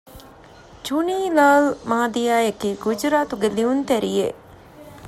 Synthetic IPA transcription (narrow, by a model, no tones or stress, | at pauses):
d͡ʒuniːlaːlmaːd̪ijaːjɐkiːɡud͡ʒɾaːt̪uɡeliunt̪ɛɾijḛ